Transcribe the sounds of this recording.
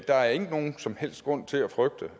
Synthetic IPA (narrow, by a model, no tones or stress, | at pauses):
d̥ɑ̈æɐe̝ɡ̥əno̝ːn̩sɒ̽mhel̰sd̥ɡ̥ʁɔ̽n̰t͡sʰe̝læfʁœɡ̥̚d̥ə